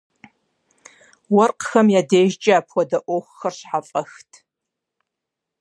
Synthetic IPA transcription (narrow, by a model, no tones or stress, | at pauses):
wɐrqxɐmjaːdeːʒt͡ʃʼɪaːpʰwʷɔdɐʔʷoxʷxɐrɕħafʼɐxtʰ